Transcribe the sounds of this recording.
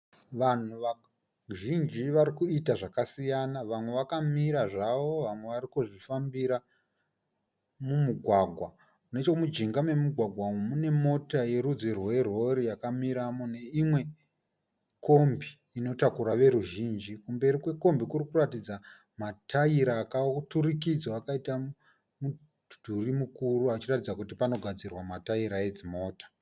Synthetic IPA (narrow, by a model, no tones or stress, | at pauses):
ʋan̤uʋa | ʒind͡ʒiʋaɾikuitaʐakasijanaʋamwe̞ʋakamiɾaʐaʋo̞ʋamwe̞ʋarikuʐifambiɾa | mumuɡʱwaɡʱwa | une̞t͡ʃomud͡ʒiŋɡame̞muɡʱwaɡʱwaomune̞mo̞taje̞rud͡zirwe̞rwo̞ɾijakamiɾamone̞imwe̞ | ko̞mbiːno̞takuɾaʋe̞ɾuʒiːnd͡ʒikumbe̞ɾikwe̞ko̞mbikuɾikuratid͡za | matʰaiɾaːkaturikid͡zwaakaita | mu | d̥ʱurimukuruat͡ʃiratid͡zakutipano̞ɡʱad͡zirwamataiɾae̞d͡zimo̞ːtḁ